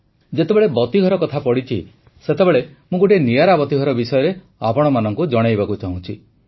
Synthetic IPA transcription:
d͡ʒet̪ebeɭebɔt̪iɡʱɔɾɔkɔt̪ʰapɔɽit͡ʃʰḭ | set̪ebeɭemũɡoʈenijaɾabɔt̪iɡʱɔɾɔbisɔjɔɾe | apɔɽ̃ɔmanɔŋkud͡ʒɔɽ̃ajbakut͡ʃaɦũt͡ʃʰi

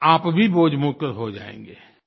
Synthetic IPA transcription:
aːpbʱiboːd͡ʒmuːkəɾɦod͡ʒa̰ːḛ̃ːŋ̆ɡeː

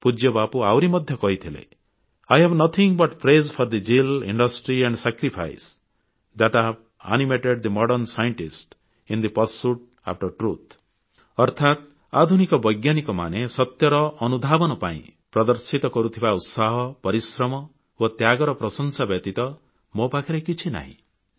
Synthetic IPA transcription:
pud͡ʒjɔbapuawɾimɔd̪ʱjɔkɔɦit̪ʰilḛ | ajɦɛbnʌt̪ʰiŋbɔʈpʰɾezpʰɔɾd̪id͡ʒilḭɳɖɔsʈɾiɛɳɖsakɾipʰa̰js | d̪aʈab | a̰nimeʈeɖd̪imɔɽɔɾnsajɔɳʈisʈ | ĩnd̪ipɔɾsuʈ̚ | a̰p̚ʰʈɔɾʈɾut̪ʰ | ɔɾt̪ʰat̪ | ad̪ʱunikɔbɔjɡjanikɔma̰nesɔt̪jɔɾɔʔːnud̪ʱabɔnɔpa̰ḭ̃pɾɔd̪ɔɾsit̪ɔkɔɾut̪ʰibaut̪saɦɔpɔɾisɾɔmɔ | wot̪jaɡɔɾɔpɾɔsɔnsabjɔt̪it̪ɔ | mobakʰiɾekit͡ʃʰina̰ɦḭ̃

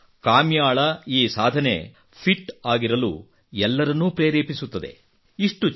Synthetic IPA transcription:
kaːmjaːɭɐiːsaːd̪ʱɐne̞̰ | pʰiʈːaːɡiɾɐlṵː | ɛlːɐɾɐnːupɾeːɾeːpisut̪ːɐd̪e̞̰ | iʂʈu

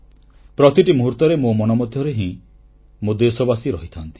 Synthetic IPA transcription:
pɾɔt̪iʈimuɦuɾt̪ɔɾemomɔnɔmɔd̪ʱjɔɾeɦĩ | mod̪esɔbasiɾɔɦit̪ʰant̪i̥

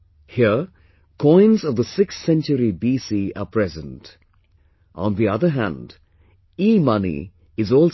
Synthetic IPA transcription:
hiə | kʰɔ̃ɪ̃nzʌvðəsɪkssɛ̃nt͡ʃəɾibiːsiə̰pʰɹɛzə̃nt | ʔə̰̃nðiʌðə˞ɦæ̰̃nd | iːmʌnḭ | ɪzɔːl

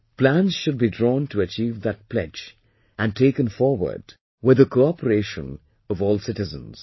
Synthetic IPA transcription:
plæ̃nz̥ʃʊd̚bidɾɔ̃ːntʰəət͡ʃiːvðɨt̚pʰlɛ̰d͡ʒ | æ̃n̚tʰeɪkə̃nfɔɹwə̰˞d | wɪd̪əkʰoɑpəɾeɪʃə̰̃n | ʌvɔːlˠsɪtɨzə̰̃nz̥

